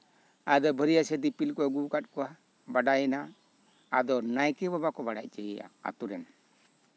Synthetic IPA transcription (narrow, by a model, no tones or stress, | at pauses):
ad̪ɔbʱəɾijasɛd̪ipilkɔɡukat̪̚ˀkɔwa | baɖajɛnaː | d̪ɔnajkɛbabakɔbaɽac̚ˀt͡ʃɛɛja̰a̰t̪uɾɛn